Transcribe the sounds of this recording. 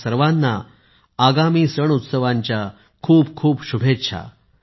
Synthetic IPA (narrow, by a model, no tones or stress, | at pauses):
səɾʋãnːa̰ | aɡamiːsəɳut̪səʋãɲt͡ɕja | kʰuːbkʰuːbɕubʱet̪ɕʰa̰